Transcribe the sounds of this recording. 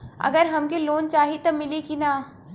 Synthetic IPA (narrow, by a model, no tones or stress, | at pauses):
ɐ̰ɡəɾɦɐmkeloːnt͡ʃaːɦit̪omɪlikina